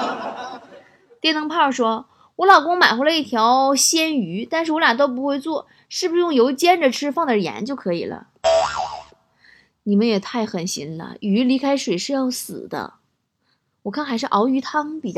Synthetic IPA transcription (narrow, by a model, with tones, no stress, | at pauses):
t̪jɛ˥˩nt̪ʰɤ˧˥ŋpʰɑ˥˩ʂwɔ˥ | wɔ˧˥lɑ˨˩ʊkʊ˥ŋma˨˩ɪxwlə˧˦i˥˩t̪ʰjɑ˧˥ʊɕjɛ˥ny˧˥t̪a˥˧nʂɻ̩˥˩wlja˨˩t̪o˥ʊp̬u˧˥xwe˥˧ɪt͡swɔ˥˩ | ʂɻ̩˥˩bu˩˥jʊ˥˩ŋjo˧˥ʊt͡ɕjɛ˥nʈ͡ʂə˨˩ʈ͡ʂʰɻ̩˥fɑ˥˩ŋd̪ə˨˩jɛ̰˧˥nt͡ɕjo˥˩ʊkʰɤ˧˥ḭ˨˩lə̰˦ | ni˨˩mə˦njɛ˨˩t̪ʰa˥˩ɪxə˨˩nɕi˧˥nlə̰˧˩y˧˥li˧˥kʰa˥ɪʂwe˨˩ɪʂɻ̩˥˧jɑ˥˩ʊsɹ̩̰˨˩d̪ə̰˦ | wɔ˨˩kʰa˥˩nxa˧˥ɪʂ̬ɻ̩˥˩ʔɑ˧˥ʊy˧˥t̪ʰɑ˥ŋpi˨˩t͡ɕ